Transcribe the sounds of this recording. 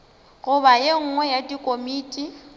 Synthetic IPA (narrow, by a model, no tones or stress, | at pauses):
ɣʊbajeŋ̩ŋwɛjadʼikʼomiːtʼi